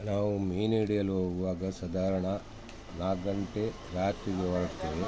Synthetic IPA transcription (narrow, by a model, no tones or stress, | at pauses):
naːʋumiːniɽijɐluɦoːɡuʋaːɡɐsɐd̪ʱaːɾɐɳɐ | naːɡɐnt̪e | ɾaːt̪ɾiɡeɦoːɾɐʈt̪eʋe